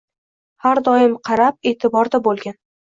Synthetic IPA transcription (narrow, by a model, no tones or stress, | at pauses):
haɾd̪ɒɪmqʰɑɾap̚e̞ːt̪ʰɪbɒɾd̪abolˠɡʲan